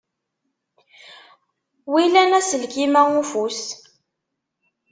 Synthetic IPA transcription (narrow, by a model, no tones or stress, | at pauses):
wilænæsəlkimæŋufus